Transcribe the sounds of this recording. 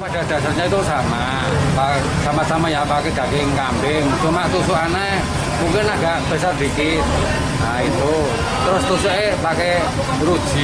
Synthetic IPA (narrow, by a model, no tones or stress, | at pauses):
pad̥a̤d̥a̤sarɲait̪usama | pa | samasamajapakeɡ̥a̤keŋkambɪŋt͡ʃumat̪usuʔanae | muŋkɪnaɡaʔb̥esard̥ikɪt̪̚ | ait̪u | t̪əɾʊst̪usuʔepakɛ | ɾud̥d͡ʒ̥i